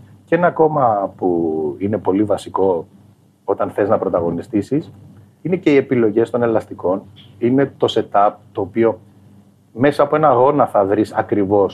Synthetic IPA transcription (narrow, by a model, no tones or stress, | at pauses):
ce̞nɐko̞mɐpuine̞po̞livɐsiko̞ | ot̪ɐnθe̞znɐpɾo̞t̪ɐɣo̞nist̪isis | ine̞ce̞ie̞pilo̞ʝe̞st̪o̞ne̞lɐst̪iko̞nine̞t̪o̞se̞t̪ɐp̚t̪o̞ːpio̞ | me̞sɐːpoenɐɣo̞nɐθɐðɾisɐkɾivo̞s